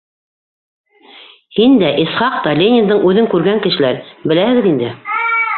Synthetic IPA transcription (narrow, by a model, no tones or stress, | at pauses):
hind̪æʔisχɑq̚t̪ɑlʲenʲɪnd̪ɤɴʉðɘŋkʉɾɡæŋkɘ̆ʃɘ̆læɾbɘ̆læhɘ̆ɡɘðind̪ɘ